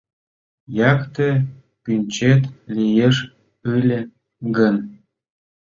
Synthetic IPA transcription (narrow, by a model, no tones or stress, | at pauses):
jɑkt̪e | pynʲt͡ɕet̪lʲijeʃ | ɯlʲĕ | ɡən